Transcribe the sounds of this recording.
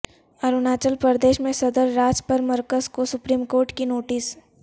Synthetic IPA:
ɐɾunaːt͡ʃəlpəɾd̪eːʃmẽsɐd̪əɾːaːd͡ʒpəɾmɐɾkəzkosʊpɾiːmkoːɾʈkinoːʈɪs

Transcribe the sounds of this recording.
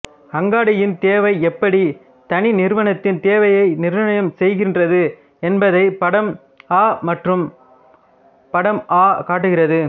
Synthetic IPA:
hɐŋɡaːɽɐjɪnt̪eːʋɐɪɛpːɐɽi | t̪ɐninɪɾɯʋɐnɐt̪ːɪnt̪eːʋɐjɐɪnɪɾɯnɐɳɐjɐmsɛjɣɪndrɐðɯ | ɛnbɐðɐɪpɐɽɐm | aːmɐʈrɯm | pɐɽɐmʔaːkaːʈ̬ːɯɣɪrɐðɯ

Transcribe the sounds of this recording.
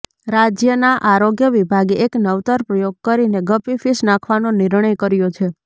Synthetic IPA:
ɾad͡ʒjənaʔaɾoɡjəʋibʱaɡeeknəʋt̪əɾpɾəjoɡ̚kəɾineɡəpifisnãkʰʋanonɪɾɳəjkəɾjot͡ʃʰe

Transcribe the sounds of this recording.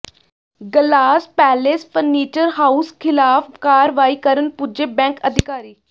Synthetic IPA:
ɡəlaːspɛːlespʰəɾniːt͡ʃəɾɦaːuskʰɪlaːpkaːɾʋaːiːkəɾənpud͡ʒeːbɛ̃ːŋkəd̪ʱɪkaːɾiː

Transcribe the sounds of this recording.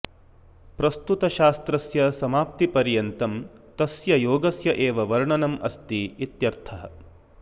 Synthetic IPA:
pɾɐst̪ut̪ɐʃaːst̪ɾɐsjɐsɐmaːp̚t̪ipɐɾjɐnt̪ɐm | t̪ɐsjɐjoːɡɐsjɐʔeːʋɐʋɐɾɳɐnɐmɐst̪iit̪jɐɾt̪ʰɐɦɐ̰

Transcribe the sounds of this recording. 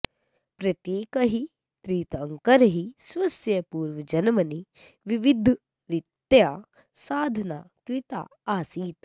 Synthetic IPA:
pɾɐt̪jeːkɐɦi | t̪ɾiːt̪ɐŋkɐɾɐɦisʋɐsjɐpuːɾʋɐd͡ʒɐnɐmɐni | ʋiʋid̪ʱ | ɾit̪ːjaː | saːd̪ʱɐnaːkɾɪt̪a̰ːaːsiːt̪

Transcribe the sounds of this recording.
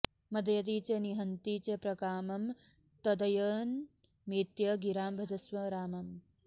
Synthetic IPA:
mɐd̪jɐt̪̬iːt͡ɕɐniɦɐnt̪iːt͡ɕɐpɾɐkaːmɐm | t̪ɐd̪ɐjəːn | meːt̪jɐɡiɾaːmbʱɐd͡ʒɐsʋɐɾaːmɐm

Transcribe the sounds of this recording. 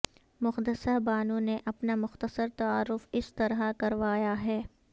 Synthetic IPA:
mʊxd̪əsəɦbaːnũneʔɐpnamʊxt̪əsəɾt̪ɐaːɾːʊfɪst̪ɐɾɦakɐɾʋaːjaɦɛː

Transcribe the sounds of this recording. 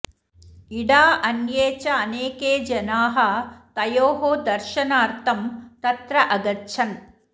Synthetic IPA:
iɽaːʔɐnjeːt͡ʃɐɐneːkeːd͡ʒɐnaːɦɐ̆t̪ɐjoːɦoːd̪ɐɾʃɐnaːɾt̪ʰɐmt̪ɐt̪ɾɐʔɐɡɐtːʃʰɐn

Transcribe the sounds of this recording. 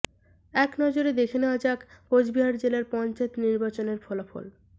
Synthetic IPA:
ɛknɔd͡ʑoɾed̪ekʰenead͡ʑakkod͡ʑbiɦaɾd͡ʑelaɾpɔnt͡ɕaet̪niɾbat͡ɕoneɾfʰɔlafo̰l

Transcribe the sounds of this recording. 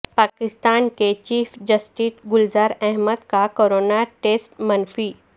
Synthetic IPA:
paːkɪst̪aːnket͡ɕiːfd͡ʒɐsʈiːsɡʊlzaːɾɛɦməd̪kakoːɾoːnaʈeːsʈmɐnfi

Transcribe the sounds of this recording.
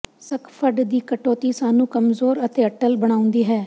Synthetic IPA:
səkʰpʰəɖd̪iːkəʈoːt̪iːsaːnũːkəmzoːɾət̪eːəʈəlbəɽ̃aːʊ̃nd̪iːɦɛː

